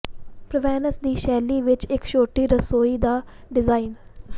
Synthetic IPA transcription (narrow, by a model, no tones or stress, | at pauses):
pɾəʋɛːnəsd̪iːʃɛːliːʋɪt͡ʃɪkʃoːʈiːɾəsoːiːd̪aː | ɖɪzaːiːn